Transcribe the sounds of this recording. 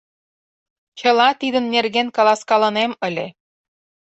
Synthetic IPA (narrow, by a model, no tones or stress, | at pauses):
t͡ɕɤ̆lɑt̪id̪ə̆nːerɣenkɑlˠɑskɑlɤ̆nemə̆lʲe